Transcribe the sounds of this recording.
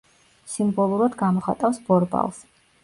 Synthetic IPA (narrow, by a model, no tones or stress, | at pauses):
simbɔlˠuɾad̪ɡamɔχat̪ʼafsb̥ɔɾba̰lˠs